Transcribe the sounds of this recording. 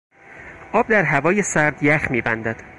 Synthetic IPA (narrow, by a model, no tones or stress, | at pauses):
ʔɒːb̚d̪æɾɦævɒːjesæɾd̪jæxmiːbænd̪æd̪̥